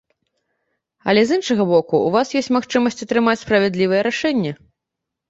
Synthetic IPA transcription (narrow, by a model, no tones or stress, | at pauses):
ɐ̰lʲɛzɨnʂɐɣɐbɔkuuvasjɔsʲt͡sʲmaxt͡ʂɨmɐsʲt͡sʲɐt̪ɾɨmat͡sʲspɾɐvʲɛd̪lʲivɨjɛɾaʂɛnʲːɛ